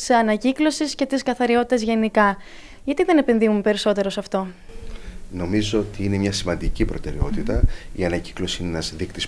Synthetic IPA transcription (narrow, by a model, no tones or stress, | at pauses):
sɐnɐciklo̞sisce̞t̪iskɐθɐɾio̞t̪i̥t̪ɐzʝe̞nikɐ | ʝɐt̪iðe̞nepenðimumepe̞ɾiso̞t̪e̞ɾo̞sɐft̪o̞ | no̞mizo̞ot̪iine̞mɲɐsimɐnd̪icipɾo̞t̪e̞ɾe̞o̞t̪it̪ɐiɐnɐci̥klo̞siinenɐzðikt̪is